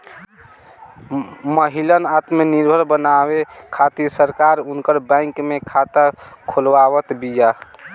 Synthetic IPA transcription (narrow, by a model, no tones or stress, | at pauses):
məɦilənat̪meniɾbʱəɾbənaβekʰat̪isəɾkaɾunkəɾbə̃ɪŋkmekʰat̪əkʰolʋawət̪bija